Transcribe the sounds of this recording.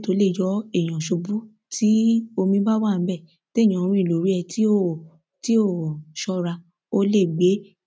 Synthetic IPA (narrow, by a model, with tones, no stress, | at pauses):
to˨˦le˦˨jɔ˨˦e˦˨j̃ã˨ʃo˧bu˦ | tʰi˦o˧mĩ˧˦ba˦wa˦˨n̩˦bɛ˦˨ | te˦˨j̃ã˨õ˧ɾ̃ĩ˧i˨lo˨ɾi˨˦ɛ˧ti˦o˦˨ | ti˦o˦˨ʃɔ˧ɾa˧ | o˧le˦˨ɡ͡be˨˦